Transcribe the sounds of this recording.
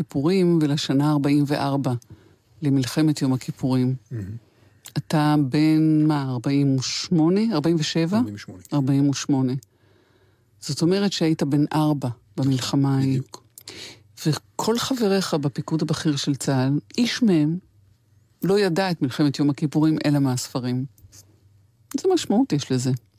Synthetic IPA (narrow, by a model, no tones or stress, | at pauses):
kipuʁimvelaʃanaːʁbaimveʔaʁba | le̞milχe̞me̞tjo̞makipuʁim | atabe̞nmaːʁbaimuʃmo̞ne̞aʁbaimveʃe̞vaaʁbaimuʃmo̞ne̞ | z̥o̞to̞me̞ʁ̞etʃeaitabe̞nʔaʁba | bamilχamai | vekʰo̞lχave̞ʁeχabepikudabaχiʁʃe̞lt͡salʔiʃmehem | lo̞jadaetmilχe̞metjo̞mhakipuʁimʔe̞lameasfaʁim | z̥emaʃmautjeʃleze̞